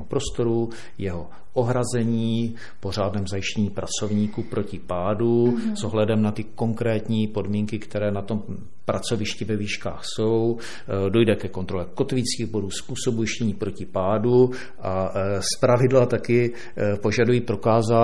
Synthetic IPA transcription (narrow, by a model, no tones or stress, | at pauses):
ɦopɾo̞st̪o̞ɾu | jɛɦo̞ | ʔoɦɾazɛɲiː | po̞r̝aːdnɛːmzajɪʃcɛɲiːpɾat͡so̞vɲiːkuːpɾʔo̞cɪpaːduzoɦlɛdɛmnat̪ɪko̞ŋkɾɛːt̪ɲiːpo̞dmiːŋkɪkt̪ɛɾɛːnat̪o̞m | pɾat͡so̞vɪʃcɪvɛviːʃka̰ːxso̞w | do̞jdɛkɛko̞nt̪ɾo̞lɛko̞t̪vɪt͡skiːɣbo̞duːspuːso̞bujɪʃcɛɲiːpɾo̞cɪpaːdu | ʔaspɾavɪdlat̪akɪ | po̞ʒadujiːpɾo̞kaːza